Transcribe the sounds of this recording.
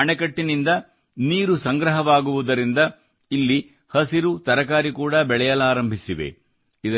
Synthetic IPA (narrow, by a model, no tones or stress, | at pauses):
ɐɳɛkɐʈːinind̪ɐ | niːɾusɐŋɡɾɐɦɐʋaːɡuʋud̪ɐɾind̪ɐ | ilːi | hɐsiɾut̪ɐɾɐkaːɾikuːɽɐbɛɭɛjɐlaːɾɐmbʱisiʋḛ | id̪ɐ